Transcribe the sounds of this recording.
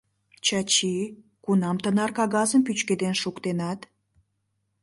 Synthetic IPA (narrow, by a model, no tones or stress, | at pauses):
t͡ɕɑt͡ɕi | kunɑmt̪ənɑrkɑɣɑzəmpyt͡ɕked̪enʃukt̪enɑt̪